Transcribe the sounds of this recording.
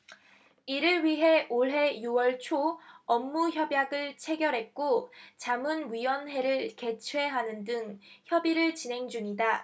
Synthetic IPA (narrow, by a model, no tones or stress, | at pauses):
iɾɯɭɥiɦe̞ʔoɭɦe̞juwʌɭt͡ɕʰoʌmːuçjʌbjaɡɯɭt͡ɕʰe̞ɡjʌɾɦe̞t̚k͈ot͡ɕamunɥiwʌnɦe̞ɾɯɭke̞t͡ɕʰwe̞ɦanɯndɯŋçjʌbiɾɯɭt͡ɕinɦe̞ŋd͡ʑuɲida